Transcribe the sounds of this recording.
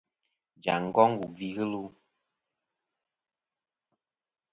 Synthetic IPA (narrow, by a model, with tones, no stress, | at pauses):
d͡ʒa̰˨ŋ̩˦ɡɔ˦ŋ˦ɡu˨vi˦ɣɨ˦lu˦